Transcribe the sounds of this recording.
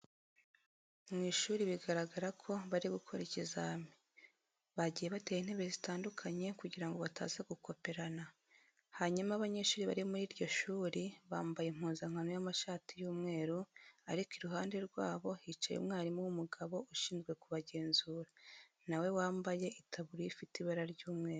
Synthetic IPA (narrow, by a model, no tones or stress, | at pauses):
mŋiːʃuːɾiβiɡaɾaɡaɾakʰo̞βaɾiβukʰoɾicizami̥ | βaɟije̞βate̞ːjin̥he̞βe̞zitaːndukʰaɲe̞kuɟiɾaŋɡo̞βata̰ːzeɡukʰo̞pe̞ɾana | haɲumaβaɲeʃuːɾiβa̰ɾimuɾiːɾɟo̞ʃuːɾiβaːmbajem̥uːnzaŋ̥hanojamaʃaːtijuːmŋe̞ːɾuaɾikiɾuɦaːnde̞ɾɡwa̰ːβo̞hit͡ʃa̰jo̰mŋaːɾimuwumuɡaβo̞ʔuʃiːnzɡwe̞kuβaɟe̞ːnzuːɾa | nawe̞waːmbaje̞ʔitʰaβuɾiifitiβaɾaɾɟuːmŋe̞ːɾu